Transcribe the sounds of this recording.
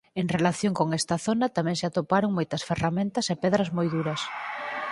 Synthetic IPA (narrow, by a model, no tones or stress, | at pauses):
eŋrelaθjoŋkoŋɛst̪ɐθonɐt̪amɛ̃ŋsat̪opaɾoŋmojt̪ɐsferamẽnt̪ɐsepɛðɾɐzmojðuɾɐs